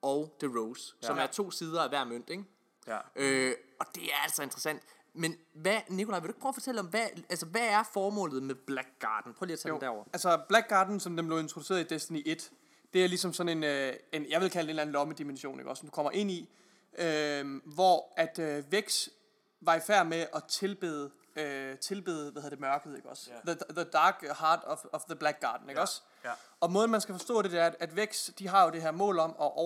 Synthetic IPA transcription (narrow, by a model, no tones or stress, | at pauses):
ɒ̽ʊd̥eʁoʊssɒ̽mæɐt͡sʰo̝̰ːsiːð̞ˠɐæʋæɐ̰møn̰d̥eɡ̥ | ʔøɒ̽d̥e̝æɐæl̰dsɒ̽e̝nd̥ʁɐsæn̰d̥ | menʋænikʰo̝lɑ̈ɪe̝ueɡ̥̚pʰʁoʊːfɒ̽t͡sʰeləɒ̽mʋæælsəʋææɐfɒːmɔ̰̽ːlð̞̩ˠmeb̥læɡ̥̚ɡ̥ɑ̰̈ːd̥n̩pʰʁɔɐliːɐt͡sʰæm̥æɐɒ̰ɐælsɒb̥læɡ̥ɑːd̥n̩sɒ̽md̥enmble̝ʊe̝nt͡sʰʁo̝duse̝ːɐðˠid̥esd̥æniʔe̝d̥ | d̥e̝æɐlisɒ̽msɒ̽ne̝nøenjɑ̈ʋe̝lkʰæld̥e̝ːnlæn̩lɒ̽məd̥imenɕo̝̰ːne̝ɡ̥ɒ̽smd̥u̥kʰɒ̽m̰ɐʔe̝n̰i | ʔømʋɒæd̥øʋeɡ̥s | ʋɑ̈ifæɐ̰meʔɒ̽t͡sʰe̝lb̥eðˠ | øt͡sʰe̝lb̥e̝ðˠəʋæðhð̩̰ˠɐd̥e̝mɶɐɡ̥əð̩ˠe̝ɡ̥ɒ̽sðəðəd̥ɑ̈ːɡ̥hɑ̈ːd̥ɒ̽fɒ̽fðəb̥læɡ̥ɑ̈ːd̥n̩e̝ɡ̥ɒ̽s | ɒ̽mɔ̽ːð̩ˠmænsɡ̥æfɒ̽sd̥ɔ̰̽ːɾ̥e̝d̥e̝æɐæd̥æd̥ʋeɡ̥sd̥iɦɑ̈jo̝d̥e̝ɦæɐ̰mɔ̰̽ːlɒ̽mɒ̽ʔɒ